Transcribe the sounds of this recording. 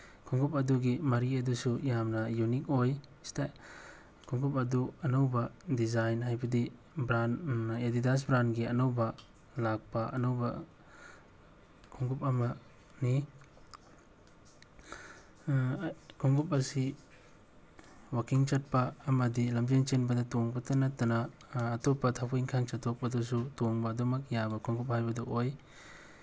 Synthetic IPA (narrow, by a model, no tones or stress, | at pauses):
kʰuŋɡup̬ɐduɡimɐɾiɐdusujamnɐjunik̚ojsta | kʰuŋɡupɐduɐnawbɐdizajnɦajbɐdi | bɾanedidas̬bɾanɡiɐnawbɐ | lak̚paɐnawbɐ̰ | kʰuŋɡupɐmɐ | ni | kʰuŋɡup̬̚ɐsi | wakiŋt͡ʃɐt̚pɐːmɐdilɐmd͡ʒent͡ʃenbɐdɐtoŋbɐtɐnɐtːɐnɐː | topːɐtʰapʰoiŋkʰant͡ʃɐtʰːok̚pɐdusutoŋbɐdomɐk̚jabɐkʰuŋɡup̚hajbɐdɐʔoj